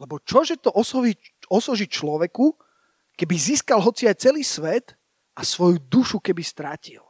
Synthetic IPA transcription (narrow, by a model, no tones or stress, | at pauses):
lɛbɔt͡ʃɔʒɛt̪ɔʔɔsɔi | ɔsɔʒit͡ʃlɔʋɛku | kɛbiziːskalɦɔt͡siajt͡sɛliːsʋɛt̪ | ʔasʋɔjud̪uʃukɛbist̪ɾacil